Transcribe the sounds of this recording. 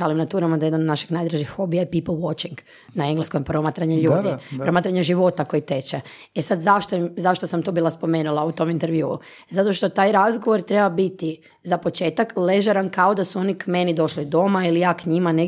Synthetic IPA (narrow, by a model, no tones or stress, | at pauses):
alimnat̪uːɾamad̪ajed̪nand̪naʃi̥ɡnajd̪ɾaʒixːobijajepiːplˠʋot͡ʃiŋɡ | naeŋɡlˠeskompɾomat̪ɾaɲeʎuːd̪ipɾɾomat̪ɾaɲeʒiʋo̞t̪ako̞jit̪et͡ʃe | esad̪zaʃt̪oimzaʃt̪osamt̪obiːlˠaspo̞meːnulˠaut̪o̞mint̪eɾʋjṵː | zat̪o̞ʃt̪o̞t̪aːjɾazɡo̞ʋo̞ɾt̪ɾe̞babit̪i | zapo̞t͡ʃe̞ːt̪akle̞ʒaɾankaod̪asuo̞nikmenid̪o̞ʃlid̪o̞mailijaːkɲimane